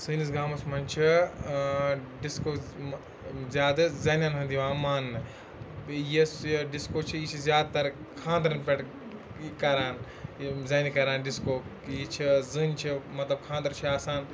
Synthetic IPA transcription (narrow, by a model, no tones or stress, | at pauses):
sɨːnis̬ɡaːmɐsmɐnʲt͡ʃʰi | ɖiskoː | zʲjaːd̪ɨzɐːnʲjaːnɦɐnd̪iʋaːmaːn | jisɖiskoːt͡ʃʰiit͡ʃʰizjaːd̪t̪ɐɾ | kʰãːnd̪ɐɾɐnpʲeʈ | kɐɾaːn | zɐːnikɐɾaːnɖiskoːkiit͡ʃʰizɨːnt͡ʃʰimɐt̪lɐb̚kʰãːnd̪ɐɾt͡ʃʰiaːsaːn